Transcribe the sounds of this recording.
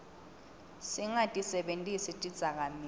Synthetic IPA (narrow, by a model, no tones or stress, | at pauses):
siŋatʼisɛɓentʼisitʼid̥z̥ʱak̬ami